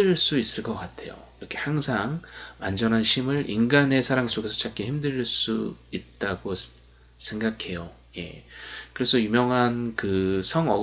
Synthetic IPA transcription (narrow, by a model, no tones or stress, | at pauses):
ɯɭs͈uis͈ɯɭk͈ʌk͈atʰe̞jo̰iɾʌkʰe̞haŋsʰaŋwa̰nd͡ʑʌnɦanɕʰimɯɾʔḭnɡane̞sʰaɾaŋs͈oɡe̞sʰʌt͡ɕak͈içimdɯɾiɭs͈uit̚t͈aɡo | sʰe̞ŋɡakʰe̞jo | je̞̰kɯɾe̞sʰʌjumjʌŋɦankɯsʰʌŋʌ